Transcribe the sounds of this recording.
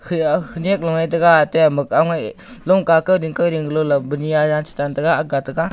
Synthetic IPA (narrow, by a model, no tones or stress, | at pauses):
hhʰɯnek̚lɔŋajdɐɡateamɯkaŋajlɔmkakɯwɾiŋkɯwɾiŋɡlɔlabɯnijajansʰi̥tandɐɡaːɡatɐɡa